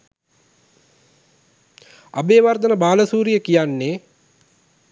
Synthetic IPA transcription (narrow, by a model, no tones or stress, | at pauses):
a̰beːʋard̪ənəbaːləsuːɾijəkijanːe